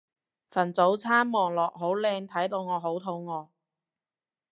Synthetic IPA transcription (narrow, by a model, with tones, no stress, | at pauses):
fɐ˨˩nt͡so˨˥wt͡sʰaː˥nmɔː˨˩ŋlɔː˨k̚ɦo˨˥wlɛː˧ŋt̪ʰɐ˨˥jt̪o˧wŋɔː˨˧ɦo˨˥wt̪ʰo˨˥wŋɔː˨˧